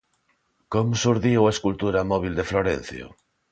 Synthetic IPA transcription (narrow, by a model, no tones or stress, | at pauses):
komosuɾðiwaeskult̪uɾamɔβ̞ild̪efloɾḛnθjo̰